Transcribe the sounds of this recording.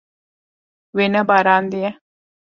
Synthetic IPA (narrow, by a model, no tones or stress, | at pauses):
ʋenɐbɐɾaːnd̪ijɐ